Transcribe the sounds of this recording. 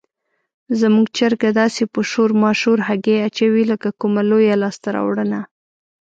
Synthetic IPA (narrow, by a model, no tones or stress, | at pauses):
zamuɡt͡ʃaɾɡad̪ɑsepəʃoɾmɑʃuɾɦaɡeat͡ʃawiləkakumalojalɑst̪aɾɑ̰wɽəna